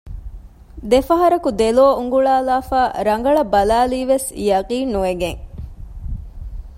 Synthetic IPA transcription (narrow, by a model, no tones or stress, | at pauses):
d̪efɐɦɐɾɐkud̪eloːuŋɡuɭaːlaːfaːɾɐŋ̆ɡɐɭɐbɐlaːliːʋesjɐqiːnnuʋeɡeŋ